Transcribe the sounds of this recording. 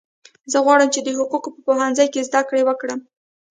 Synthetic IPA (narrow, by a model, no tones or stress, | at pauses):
zəɣwɑɽəmt͡ʃed̪əɦʊqukopəpoɦanzəjkezd̪akɽewəkɽəm